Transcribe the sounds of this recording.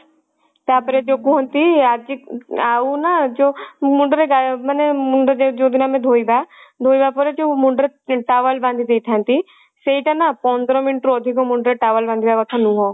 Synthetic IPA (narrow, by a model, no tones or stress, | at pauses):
t̪aːpəɾed͡ʒokuɦə̃nt̪iaːd͡ʒiaːunad͡ʒoːmʊ̃ɳɖəɾeɡamənemʊɳɖəɾd͡ʒed͡ʒoːd̪ɪnaːmẽd̪ʱoːibad̪ʱoːibaːpoɾet͡ʃomʊ̃ɳɖəɾeʈaːʋəlbãnd̪ʱid̪eːt̪ʰɛ̃nt̪i | seiʈ̪anapɔnd̪ɾõmɪnʈɾod̪ʱikomʊ̃ɳɖɾeʈaːʋəlbãnd̪ibaʋakʰɐnũɦõː